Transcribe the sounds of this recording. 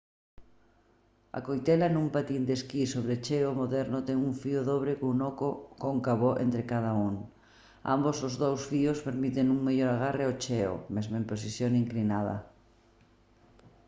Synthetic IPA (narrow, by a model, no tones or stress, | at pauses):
a̰kojt̪ɛlanumpat̪ind̪eskisoβ̞ɾet͡ʃɛomoðɛɾnot̪ɛŋuɱfioðoβ̞ɾekːnokokoŋkaβoʔḛnt̪ɾekaðauŋ | a̰mbosozðowsfiospeɾmit̪eŋuŋmeʎoɾaɣ̞areot͡ʃeo̰mezmoempɾos̬isjoŋiŋklinað̞ɐ̰